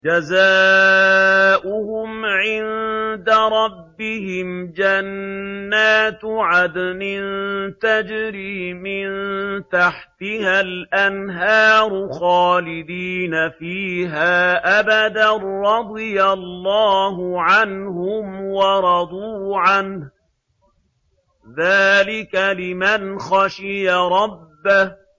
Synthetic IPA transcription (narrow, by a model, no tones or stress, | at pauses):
d͡ʒazaː | ʔʔʊhʊmʕɪnd̪aɾˤɑbːɪɦɪmd͡ʒanːaːt̪ʕad̪nɪnt̪ad͡ʒɾiːmɪnt̪aħt̪ɪhalʔanɦɑːɾˤxɑːlɪd̪iːnafiːɦaːʔabad̪arɾɑd̪ˤɨjallːɑːhʊʕanhʊmwɑɾˤɑd̪ˤuːʕanh | ðaːlɪkalɪmanxɑʃɪjaɾˤɑbːah